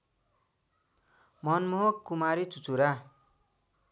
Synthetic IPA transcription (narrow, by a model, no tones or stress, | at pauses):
mʌnmoɦokːumaɾit͡sut͡suɾa